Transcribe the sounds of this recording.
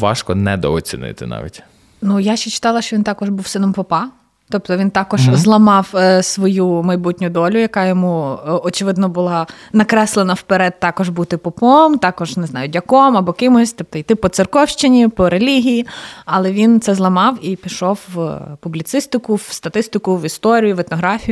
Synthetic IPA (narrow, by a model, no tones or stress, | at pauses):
ʋɑ̰ʃkɔnɛd̪ɔ̰ɔt͡sʲinɪ̰t̪ɪnɑ̰ʋʲḭtʲ | nujaʃt͡ʃːɛt͡ʃɪ̥t̪ɑlˠɐʃt͡ʃɔʋʲint̪ɑkɔʒbuwsɪnɔmpɔpɑ | t̪ɔpt̪ɔʋʲint̪ɑkɔʒzlˠɐmɑwsʋɔjumɐjbutʲnʲʊd̪ɔlʲʊjɐkɑjɔmuɔt͡ʃɪʋɪd̪nɔbʊlˠɑ | nɐkɾɛslˠenɐwpeɾɛd̪̚t̪ːɑkɔʒbut̪ɪpɔpɔmt̪ɑkɔʒneznɑjʊdʲɐkɔmɐbɔkɪmɔsʲt̪ɔp̚t̪ɔjt̪ɪpɔt̪sɪrkɔwʃt͡ʃɪnʲipɔɾelʲiɦʲijiɐlˠɛʋʲint̪sɛzlˠɐmɑwipʲiʃɔwːpublʲit̪sɪst̪ɪkʊwst̪ɐt̪ɪst̪ɪkʊʋist̪ɔɾʲijʊʋɛt̪nɔɦɾɑfʲijʊ